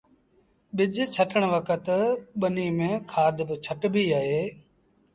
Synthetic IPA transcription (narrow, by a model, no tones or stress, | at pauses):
ɓɪd͡ʒt͡ʃʰəʈəɳ̃ʋəkət̪ɓəniːmẽːkʰaːd̪bɪt͡ʃʰəʈbʱiːaːɦeː